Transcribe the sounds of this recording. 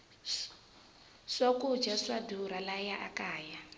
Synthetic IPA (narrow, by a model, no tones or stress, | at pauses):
ʂokud͡ʒaʂwaduɾalajaʔakaːja